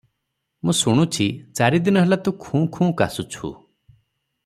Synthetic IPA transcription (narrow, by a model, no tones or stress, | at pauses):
mũsuɽ̃ut͡ʃʰit͡ʃaɾid̪inɔɦelat̪ũkʰũːkʰũːkasut͡ʃʰṵ